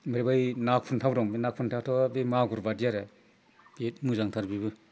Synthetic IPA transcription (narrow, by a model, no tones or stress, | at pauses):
meɾebajnak̚pʰuntʰawbɾɔŋbenak̚pʰuntʰawtʰawabemaɡuɾbadijaɾɯ | betmuzaŋtʰaɾbibɯ